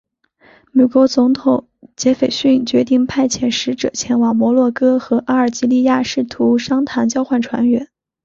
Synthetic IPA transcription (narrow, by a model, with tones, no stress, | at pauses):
me˨˩kwɔ˧˥t͡sʊ˧˥ŋt̪ʰʊ˨˩˦ŋ | t͡ɕjɛ˧˥fe˨˩ɪɕy˥˩nt͡ɕɥɛ˧˥t̪i˥˩˧ŋpʰa˥˩ɪt͡ɕʰjɛ˨˩nʂɻ̩˧˥ʈ͡ʂɤ̰˨˩t͡ɕʰjɛ˧˥nwɑ˨˩ŋmwɔ˧˥lwɔ˥˩kɤ˥xɤ˧˥ʔa˥ə˞˨˩t͡ɕi˥li˥˧ja˥˧ʂɻ̩˥˩t̪ʰu˧˥ʂɑ˥ŋt̪ʰa˧˥nt͡ɕjɑ˥ʊxwa˥˩nʈ͡ʂʰwa̰˧˥nɥɛ̰˧˥n